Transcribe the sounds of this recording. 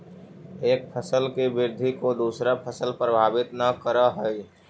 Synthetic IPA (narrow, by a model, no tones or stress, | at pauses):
eːk̚pʰəsəlkibɪɾd̪ʱikod̪uːsɾapʰəsəlpɾəbʱaːbɪt̪nəkəɾəɦəj